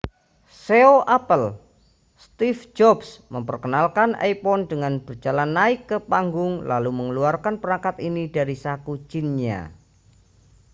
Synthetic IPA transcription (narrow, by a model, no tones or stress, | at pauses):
seoʔapəl | st̪ifd͡ʒɔbsməmpərkənalkanʔa̰jpɔndəŋanbərd͡ʒalanːaɪkːəpaŋɡʊŋlaluməŋəluarkanpəɾaŋkat̪inidaɾisakud͡ʒinɲa̰